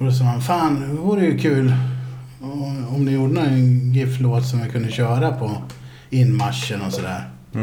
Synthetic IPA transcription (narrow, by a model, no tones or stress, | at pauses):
ɔd̪ɔs̬ɑːhanfaːnvuːɾəjɵkʰʉ̟ːl | ɔmd̪ɪjuːɖənɔɛnɡɪfloːt̪sɔmvɪkʰɵnd̪əɕœːɾapʰɔ | ɪnːmaʂːənɔsɔd̪æ̰ːɾ